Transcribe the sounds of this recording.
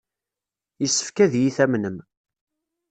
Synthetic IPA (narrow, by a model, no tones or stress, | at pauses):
jəsːə̥fkæðjiθæmnəm